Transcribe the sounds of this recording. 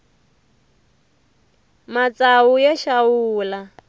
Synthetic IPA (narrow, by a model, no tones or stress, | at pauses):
mat͡saujaʃawuːla